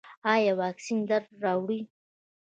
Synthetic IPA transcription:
ɑjawɑːksind̪aɾːɑwɽi

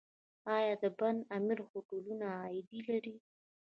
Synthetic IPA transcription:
ɑjɑd̪əband̪amiɾxoʈolunaɑjɪd̪ilaɾi

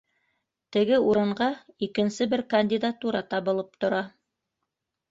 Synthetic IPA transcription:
t̪ɘ̆ɡɘuɾɤ̆ɴɢɑikɘ̆nsɘbɘɾkɐnʲdʲid̪at̪uɾɑt̪ɑβɤ̆lˠɤp̚t̪ŏɾɑ

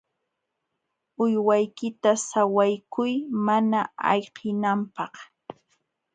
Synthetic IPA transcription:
ʊjwajkɪt̪asawajkʊjmanaɑ̰ʎqɪnampɑχ

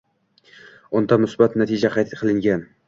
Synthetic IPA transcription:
ʊnd̪amʊsbat̪nat̪ʰɪd͡ʒaqʰɑjt̪qʰɨlˠɪŋɡʲan

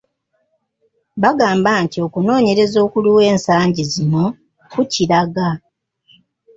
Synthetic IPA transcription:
βaɡaːmbantio̞kuno̞ːɲe̞ɾe̞zo̞ːkuluwe̞ːnsaːɲɟizimo | kuciɾaɡa

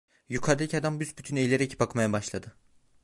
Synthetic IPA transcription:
jukʰaɾd̪ʲicʲad̪ambysbyt̪ʰynejlʲeɾɛcʰi̥pakmajabaʃlˠad̪ɯ

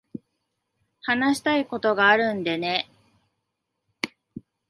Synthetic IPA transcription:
hanaɕi̥t̪aiko̞t̪o̞ɡaːɾɯ̟̃nd̪ene̞

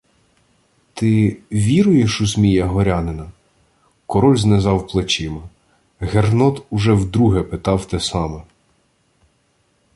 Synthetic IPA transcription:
t̪ɪʋʲiɾʊjeʃʊzmʲijɐɦɔɾʲɑnɪnɐ | kɔɾɔlʲznezɑwplˠet͡ʃɪmɐ | ɦernɔt̪ʊʒɛwd̪ɾuɦɛpet̪ɑwt̪ɛsɑmɛ

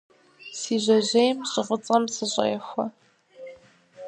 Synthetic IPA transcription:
siːʑʷɐʑejmɕʼɪʁət͡sʼɐmsɨɕʼɐ̰jɛxʷɐ

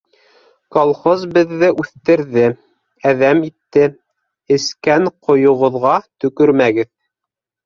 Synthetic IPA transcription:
kolˠχozbɘ̆ðːɘʔʉθt̪ɘ̆ɾðɘ | æðæmit̪ːɘ | ɘ̆skæɴqʰŏjŏʁŏðʁɑt̪ɵ̆kɵɾmæɡɘð

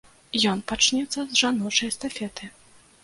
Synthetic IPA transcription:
jɔnpat͡ʂnʲɛt̪sːɐzʐanɔt͡ʂɐjst̪afʲɛt̪ɨ

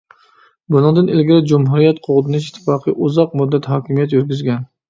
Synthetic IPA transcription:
bunɨŋd̪ɪnɪlɡʲɪɾɪd͡ʒumɦuɾijɛt̪qʰoʁd̪ɪnɪʃ̬it̪ʰːɪ̥fɑːqʰɨʔuzɑq̚mud̪ːæt̪hɑːkʲimijɛt̪jyɾɡʲyzɡʲɛn

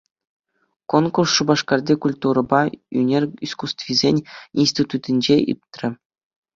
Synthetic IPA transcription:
konkursːubɑʂkɑrdʲekulʲt̪uɾɤ̆bɑy̰nʲerʲiskust̪vʲizʲenʲinsʲtʲit̪ut̪ʲɘnʲd͡ʑeʔḭp̚t̪ʲrʲɘ̆

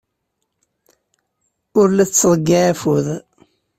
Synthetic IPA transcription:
ʊɾlæt͡sːðˤəɡːaʕæfuð

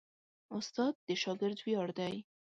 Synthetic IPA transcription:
ʊst̪ɑd̪̚ːəʃɑɡɪɾd̪wjɑɽd̪aj

